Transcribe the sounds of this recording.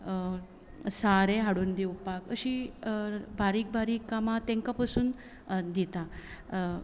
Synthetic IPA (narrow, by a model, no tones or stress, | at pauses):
saɾeɦaɽuːnd̪eupakəɕi | baɾiːk̚baɾiːkːamat̪ẽŋkapasuːn | d̪it̪a